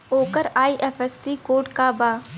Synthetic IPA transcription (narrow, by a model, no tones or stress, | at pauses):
oːkəɾaːiʔeːfʰɛsːikoːʈkabaː